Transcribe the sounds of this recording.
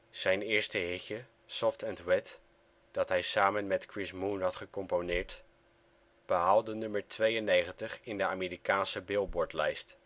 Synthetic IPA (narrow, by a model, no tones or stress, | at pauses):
z̥ɛjnɪːɹstəɦɪkjə | sɔftɛntwɛt | d̥ɑtɦɛjsaːmənmɛtkrɪsmunɦɑtχəkɔmponɪːɹt | b̥əɦalˠdənɵməɹtʋejənejχəntəχɪndəaːmeːrikaːnsəbɪlˠbɔɹtlɛjst